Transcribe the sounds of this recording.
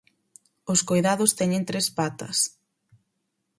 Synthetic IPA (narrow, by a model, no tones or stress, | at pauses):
ʊskojðaðʊst̪ɛɲẽnt̪ɾespat̪ɐs